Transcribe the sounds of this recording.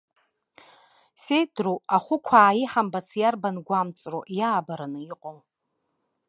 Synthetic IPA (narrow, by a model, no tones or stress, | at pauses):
se̞jdroaχʷʊkʷʰaːjiħambat͡sʰjarbanɡʷamt͡sʼroʔjaːbaɾanɨiqʼow